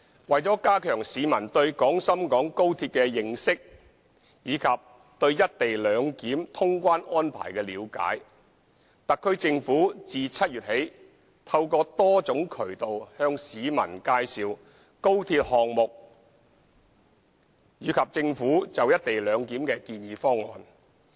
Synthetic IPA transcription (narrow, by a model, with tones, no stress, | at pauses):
wɐ˨jt͡sɔː˨˥kaː˥kʰœː˨˩ŋsiː˨˧mɐ˨˩nt̪ɵ˧ɥkɔː˨˥ŋsɐ˥mkɔː˨˥ŋko˥wt̪ʰiː˧t̚kɛː˧jɪ˨ŋsɪ˥k̚ | jiː˨˧kʰɐ˨p̚ | t̪ɵ˧ɥjɐ˥t̚t̪e˨jlœː˨˧ŋkiː˨˥mt̪ʰʊ˥ŋkʷaː˥nʔɔː˥npʰa̰ː˨˩jkɛː˧liː˨˧wka̰ː˨˥j | t̪ɐ˨kʰːɵ˥ɥt͡sɪ˧ŋfuː˨˥t͡siː˨t͡sʰɐ˥t̚jyː˨t̚he˨˥j | t̪ʰɐ˧wkɔː˧t̪ɔː˥t͡sʊ˨˥ŋkʰɵ˨˩ɥt̪o˨whœː˧ŋsiː˨˧mɐ̰˨˩nkaː˧jsiː˨w | ko˥wt̪ʰiː˧t̚hɔː˨ŋ̚mʊ˨k̚ | jiː˨˧kʰɐ˨p̚t͡sɪ˧ŋfuː˨˥t͡sɐ˨wjɐ˥t̚t̪e˨jlœː˨˧ŋkiː˨˥mkɛː˧kiː˧njiː˨˧fɔː˥ŋːɔ̰ː˨n